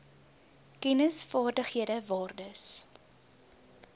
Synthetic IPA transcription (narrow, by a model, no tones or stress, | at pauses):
kɛnəsfɑːrdəχhiədəvɑːrdəs